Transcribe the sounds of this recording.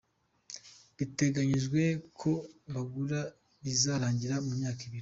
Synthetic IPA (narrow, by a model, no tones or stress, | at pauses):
βite̞ɡaɲiʒɡwe̞kʰo̞βaɡuɾa | izaɾaːɲɟiɾamumɲaːkiβiɾi